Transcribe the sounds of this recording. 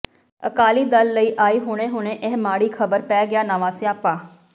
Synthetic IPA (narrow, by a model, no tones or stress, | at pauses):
ə̰kaːliːd̪əlːəiːʔaːiːɦʊːɽ̃eːɦʊɳeːʔeːmaːɽiːkʰəbəɾpɛːɡɪjaːnaːʋãːsiaːpãː